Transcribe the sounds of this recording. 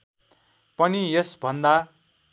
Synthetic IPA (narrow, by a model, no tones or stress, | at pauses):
pʌniesbʱʌnd̪a